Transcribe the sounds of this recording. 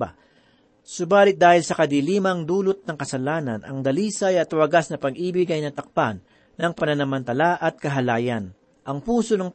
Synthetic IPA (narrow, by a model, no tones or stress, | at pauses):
a̰ | sʊbaːlɪt̪̚d̪aːhɪlsɐkɐd̪iliːmɐŋd̪uːlot̪̚nɐŋkɐsɐlaːnɐ̰nʔɐ̰ŋd̪ɐliːsajɐt̪wɐɡasnɐpɐɡʔiːbɪɡajnɐt̪ɐk̚panː | ɐŋpɐnɐnɐmɐnt̪ɐlaʔɐt̪̚kɐɦɐlaːjɐn | ʔɐŋpuːso̞nɐŋ